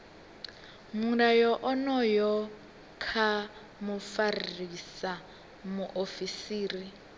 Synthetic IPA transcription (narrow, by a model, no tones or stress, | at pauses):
muɾajɔʔɔnɔjɔ | kʰa | mufarisa | muʔofisiːri